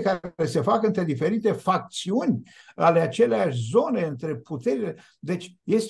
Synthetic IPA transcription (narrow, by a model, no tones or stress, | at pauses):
kaɾese̞fakɨnt̪ɾe̞d̪ife̞ɾit̪e̞fak̚t̪siunʲ | ale̞at͡ʃe̞leaʃʲzo̞ne̞ɨnt̪ɾe̞put̪eɾile | d̪e̞t͡ʃʲje̞s